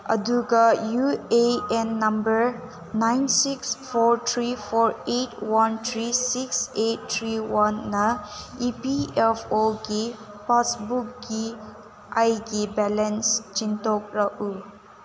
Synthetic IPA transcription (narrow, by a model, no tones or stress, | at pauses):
ə̰duɡajueɛnːɐmbəɾ | najnsiksfɔɾt̪ʰɾifʰɔɹetwant̪ʰɾisikset̚t̪ʰɾiwanːaipiɛfoɡi | pasbuk̚ɡi | ʔajɡibɛlɛnst͡ʃintok̚ɾaʔu